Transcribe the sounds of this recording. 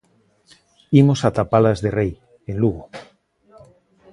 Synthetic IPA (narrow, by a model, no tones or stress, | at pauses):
imosat̪apalazðerej | ẽnluɣo